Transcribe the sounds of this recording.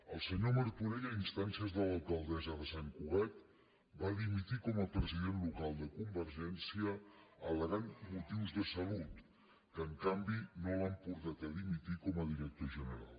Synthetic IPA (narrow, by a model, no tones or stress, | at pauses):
əlˠsəɲoməɾtuɾeʎəinst̪ansiəzðələlˠkəlˠd̪ɛzəðəsaŋkuɣat̪ | baðimit̪ikɔməpɾəziðenlukalˠd̪əkumbəɾʒɛnsiəːlˠəɣanmut̪iwzðəsəlut̪ | kəːŋkambinolampuɾt̪at̪əðimit̪ikɔməðiɾək̚t̪oʒənəɾa̰lˠ